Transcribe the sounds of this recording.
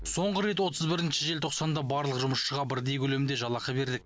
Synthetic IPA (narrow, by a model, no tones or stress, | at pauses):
so̞ɴʁəɾe̞t̪wo̞t̪ʰəzbɪɾɪnʃɪʒelt̪ʰoqsɑnd̪ɑbɑɾlˠəqʒʊməʃʃəʁɑbɪɾd̪ejkʲʰɵle̞mɪnd̪e̞ʒɑlˠɑqəbe̞ɾd̪ɪk̚